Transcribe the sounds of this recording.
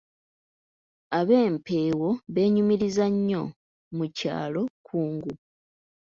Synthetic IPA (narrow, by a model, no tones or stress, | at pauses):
aβe̞ːmpʰe̞ːwo̞βe̞ːɲumiɾizaɲːo̞ | muca̰ːlo̞kʰuːŋɡu